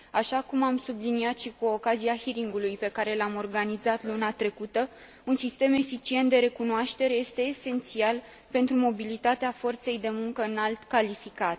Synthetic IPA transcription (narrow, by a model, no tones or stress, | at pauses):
aʃakumamsubliniat̪ʃikuo̞kaziahiɾiŋɡulujpe̞kaɾe̞lamo̞rɡanizat̪lunat̪ɾe̞kut̪ə | unsist̪e̞me̞fit͡ʃie̞nt̪̚d̪e̞ɾe̞kunoaʃt̪e̞ɾe̞je̞st̪e̞ːse̞nt̪sial | pe̞nt̪ɾumo̞bilit̪at̪eafo̞rt̪se̞jd̪e̞muŋkəɨnalt̪kalifikat̪